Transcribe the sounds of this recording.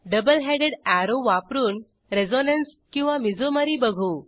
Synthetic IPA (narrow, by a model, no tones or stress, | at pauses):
ɖəbəlɦeɽeɽæɾoʋapɾuːn | ɾed͡zonənskĩw̃ʋamid͡zʱoməɾiːbəɡʱuː